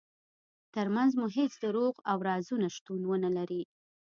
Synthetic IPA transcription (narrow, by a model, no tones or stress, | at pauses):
t̪əɾmanzmuɦet͡sd̪əɾoɣawɾɑzunaʃt̪unwənəlaɾi